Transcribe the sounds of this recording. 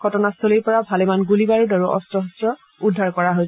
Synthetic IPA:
ɡʱɔtɔnastʰoliɹpɔɹabʱalemanɡulibaɹudaɹuʔɔ̰stɹɔɦɔstɹɔ | udʱːaɹkɔɹaɦoj

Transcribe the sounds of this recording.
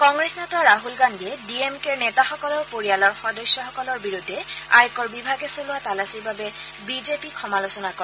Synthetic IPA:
kɔŋɡɹesnɛtaɹaɦulɡanbiɛdiemkeɹnɛtaxɔkɔlɔɹpoɹijalɔɹxɔdɔsjɔxɔkɔlɔɹbiɹudʱːɛa̰jkɔɹbibʱaɡɛsolʊatalasiɹbabɛ | bizepikʰɔmalosɔnakɔɹ

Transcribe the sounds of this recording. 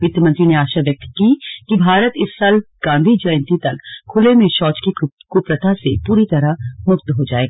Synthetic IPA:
ʋɪt̪jəmɐ̃nt̪ɾineaːʃaʋjɐk̚t̪kikibʱaːɾət̪ɪsːaːlɡ̥ãːnd̪ʱid͡ʒɐj̃nt̪it̪ɐkʰʊlemẽʃɔːt͡ʃkikupɾət̪ʰasepuːɾit̪ɐɾamʊkt̪ɦod͡ʒaːeːɡ

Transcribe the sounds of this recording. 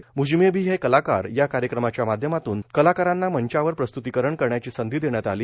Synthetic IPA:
mud͡ʑmebʱiːɦekəlaka̰ɾjakaɾjəkɾəmat͡ɕjamad̪ʱjəmat̪uːnkəlakaɾanːaməɲt͡ɕaʋəɾpɾəst̪ut̪ikəɾəɳkəɾɳjat͡ɕiːsənd̪ʱiːd̪eɳjat̪aliː

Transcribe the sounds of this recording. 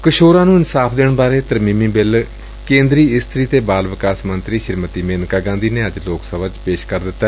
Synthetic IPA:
kəʃoːɾãːnũːɪnsaːpʰd̪eːɳbaːɾeːt̪əɾmiːmĩːbɪl | kẽːnd̪ɾiːɪst̪ʰɾiːt̪eːbaːlʋɪkaːsmənt̪ɾiːʃɪɾmət̪iːmeːnkaːɡãːnd̪iːneːəd͡ʒloːksəbaːt͡ʃpeːʃkəɾd̪ɪt̪ːaɛ

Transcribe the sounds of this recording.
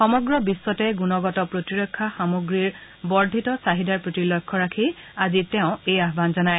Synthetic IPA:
xɔmɔɡɹɔbisːɔtɛɡunɔɡɔtɔpɹotiɹɔkʰːaxamoɡɹiɹ | bɔɹdʱitɔsaɦidaɹpɹotilɔkʰːɔɹakʰi | azitɛʊ̃ejaɦbanzɔnaj

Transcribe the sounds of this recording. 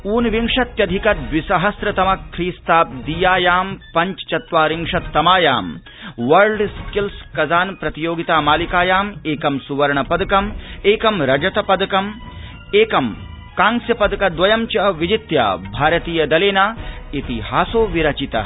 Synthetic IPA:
uːnʋiŋʂɐt̪jɐd̪ʱikɐt̪̚ʋisɐɦɐsɾɐt̪ɐmɐkʰɾiːst̪aːp̚d̪ijaːjaːmpɐɲt͡ʃt͡ʃɐt̪ʋaːɾiŋʂɐt̪ːɐmaːjaːm | ʋɐɾɖskilskɐzaːnpɾɐt̪ijoːɡit̪aːmaːlikaːjaːmeːkɐmsuʋɐɾɐɳɐpɐd̪ɐkɐmeːkɐmɾɐd͡ʒɐt̪ɐpɐd̪ɐkɐm | eːkɐm | kãːŋsjɐpɐd̪ɐkɐd̪ʋɐjɐmt͡ʃɐɐʋid͡ʒit̪ja̰ːbʱaːɾɐt̪iːjɐd̪ɐleːnaːit̪ihaːsoːʋiɾɐt͡ʃit̪ɐ̰

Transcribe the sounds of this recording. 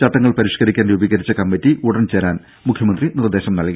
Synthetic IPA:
t͡ɕɐʈ̪ːɐŋːɐɭpɐɾiʂkɐɾikʲːaːnjubiɣɐɾit͡ɕːɐkɐmbɐtːiuɽɐnt͡ɕeːɾaːn | mukʰjɐmɐnd̪rinird̪e̞ːɕɐmnɐlkː

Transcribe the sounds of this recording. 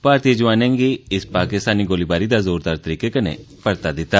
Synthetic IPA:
paːɾt̪id͡ʒʊʋaːnɛ̃ːŋɡiɪspaːkɪst̪aːniɡoːlibaːɾid̪aːzoːɾd̪aːɾt̪əɾiːkekənḛ̃ | pəɾt̪ad̪ɪt̪ːaː

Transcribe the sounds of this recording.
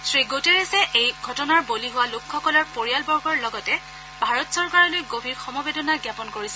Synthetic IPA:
sɹiɡoteɹesɛʔejɡʱɔtɔnaɹboliɦʊwalʊkʰːɔkɔlɔɹpoɹijalbɔɹɡʱɔɹlɔɡɔtɛ | bʱaɹɔtsɔɹkaɹɔlojɡobʱiɹxɔmɔbedɔnaɡjapɔnkoɹisɛ

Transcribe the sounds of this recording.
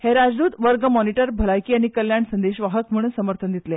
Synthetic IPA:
heɾad͡zd̪uːt̪ʋəɾɡəmɔniʈəɾbʱəlajkiːaɽ̃ikəljaɳsənd̪eɕʋaɦəkm̤uɽnsəməɾt̪ʰənd̪it̪le

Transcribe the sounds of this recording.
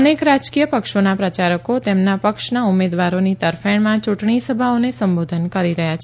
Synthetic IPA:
ənekɾad͡ʒkijəpəkʃonapɾət͡ʃaɾəkot̪emnapəkʃnaumed̪ʋaɾonit̪əɾfeɳmãt͡ʃuʈɳisəbʱaonesəmbod̪ʱənkəɾiɾəɦjat͡ʃʰe

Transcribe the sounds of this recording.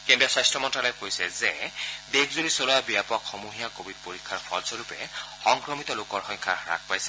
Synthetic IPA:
kendiɔsajstɹɔmɔntalɔjkojsɛzɛdekʰzoɹisoloabiapɔkxɔmuɦijakobid̚poɹikʰːaɹxʰɔɹzɔɹupɛ̰xɔŋkɹɔmit̪ɔlokɔɹxɔŋkʰaɹa̰k̚ʰpajsɛ

